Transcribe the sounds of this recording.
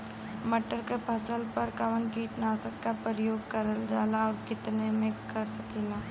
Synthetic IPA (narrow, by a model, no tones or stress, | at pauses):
məʈəɾkepʰɐsəlpɐɾkɐʋənkiːʈnaːsəkːapɾɪjoːɡ̚kɐɾəld͡ʒaːlaɔːɾkɪt̪nemẽkɐɾsɐkiːlaː